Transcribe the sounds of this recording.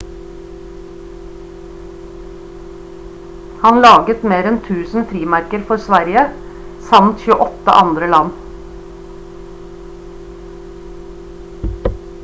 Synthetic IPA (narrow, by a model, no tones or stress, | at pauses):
hɑnlɑːɡət̪meːɾɛnt̪ʰʉːsn̩fɾiːmæɾkəɾfɔɾsʋæɾɪə | sɑmt̪çʉːəʔɔt̪ə̰ʔɑnd̪ɾəlɑn